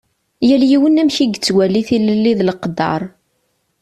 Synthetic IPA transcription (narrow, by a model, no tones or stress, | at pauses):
jæljiwənæmçiɡət͡sːwælːiθiləlːiðləqd̪ɑ̰ɾˤ